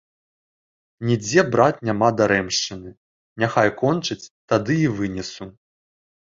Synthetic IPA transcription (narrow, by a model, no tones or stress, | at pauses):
nʲid͡zʲɛbɾat̪nʲamad̪aɾɛmʂt͡ʂɨnɨ | nʲaxajkɔnt͡ʂɨt͡sʲt̪ad̪ɨivɨnʲɛsu